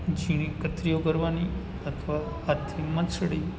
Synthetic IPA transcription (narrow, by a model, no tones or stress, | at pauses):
d͡ʒiɽ̃ikət̪ɾijokəɾʋani | at̪ʰʋaː | t̪ʰiməsɽi